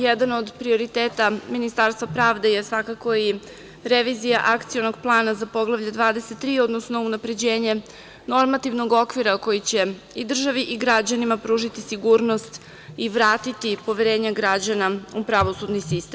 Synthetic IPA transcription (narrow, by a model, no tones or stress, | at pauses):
jed̪ano̞d̪pɾio̞ɾit̪eːt̪aminist̪aɾst̪ʋapɾaːʋd̪e̞jesʋakako̞i | ɾeʋizijaʔakt̪sijo̞no̞ɡplˠaːnazapo̞ɡlˠaʋʎed̪ʋaːd̪e̞set̪ːɾiːo̞d̪no̞sno̞unapɾe̞d͡ʑe̞ːɲe̞ | no̞ɾmat̪ivno̞ɡo̞kʋiɾako̞jit͡ɕe̞ | id̪r̩ʒaʋiʔiɡɾad͡ʑanimapɾuːʒit̪isiɡuːɾno̞st̪ | iʋɾaːt̪it̪ipo̞ʋeɾe̞ːɲaɡɾad͡ʑanaupɾaʋo̞sud̪nisist̪em